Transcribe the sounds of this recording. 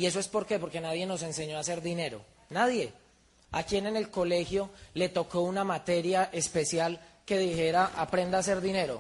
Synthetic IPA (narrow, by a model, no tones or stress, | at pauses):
ie̞s̬o̞e̞spo̞ɾke̞po̞ɾke̞naðje̞no̞s̬e̞nse̞ɲo̞ase̞ɾd̪ine̞ɾo̞̰ | naðje̞ | akjene̞ne̞lko̞le̞xjo̞le̞t̪o̞ko̞unamat̪e̞ɾjaʔe̞spe̞sjalke̞ðixe̞ɾaʔapɾe̞nd̪aːs̬e̞ɾd̪ine̞ɾo̞̰